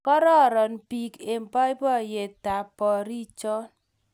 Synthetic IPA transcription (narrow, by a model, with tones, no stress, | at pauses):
kɔ˦ɾɔ˦˨ɾɔ˨npi˦ke˨m˨pɔ˦i˦bɔ˦˨je˨ta˨pɔ˨ɾi˦t͡ʃɔ˦